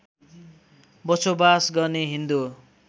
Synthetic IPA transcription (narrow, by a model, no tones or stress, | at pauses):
bʌsobasɡʌrneɦind̪u